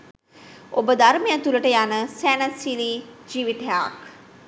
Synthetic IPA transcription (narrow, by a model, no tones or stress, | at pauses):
obəd̪aɾmejat̪uləʈəjanəsæːnəsiliːd͡ʒiʋiʈəja̰k